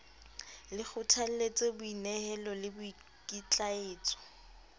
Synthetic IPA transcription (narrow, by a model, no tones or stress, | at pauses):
lɪk͡xʊtʰal̩let͡sʼebʊinɛhɛlɔlɪbʊi | kʼit͡ɬʼaeːt͡sʼɔ̥